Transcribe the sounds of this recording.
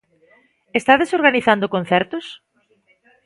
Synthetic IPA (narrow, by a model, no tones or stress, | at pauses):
est̪aðesoɾɣaniθand̪okõnθɛɾt̪ʊs